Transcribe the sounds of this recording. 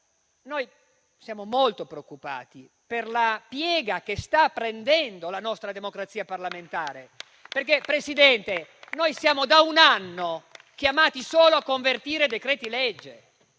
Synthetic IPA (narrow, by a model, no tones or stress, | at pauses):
noj | sjaːmomolt̪opɾeokːupa̰ːt̪i | perlapjɛːɡak̟est̪apːɾend̪ɛnd̪olanɔst̪ɾad̪emokɾat̪siːaparlament̪aːɾe | perkepɾesid̪ɛnt̪enojsjaːmod̪aunanːo | k̟jamaːt̪isoːloakːoɱvert̪iːɾed̪ekɾɛːt̪ilɛd͡ʒːḛ